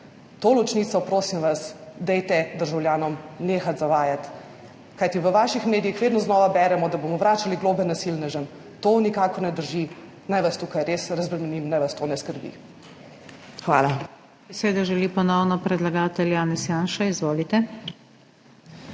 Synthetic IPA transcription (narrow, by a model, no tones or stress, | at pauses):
t̪olɔt͡ʃniːt̪sɔpɾoːsimʋasd̪ɛjt̪ɛd̪əɾʒawljaːnɔmneːxat̪zaʋaːjat̪ | kajt̪iʋəʋaːʃixmeːd̪ijixʋeːd̪nɔznɔːʋabɛɾɛmɔd̪abomɔʋɾaːt͡ʃaliɡloːbɛnasilnɛʒən | t̪onikaːkɔɾnɛd̪əɾʒi | najʋast̪uːkajɾesɾazbɾɛmɛnimnajʋast̪oːnɛskəɾbḭ | xʋa̰ːla | b̥ɛseːd̪ɔʒɛlipɔnɔwnɔpɾɛd̪laɡaːt̪ɛljaːnɛsjaːnʃaizʋoːlit̪ɛ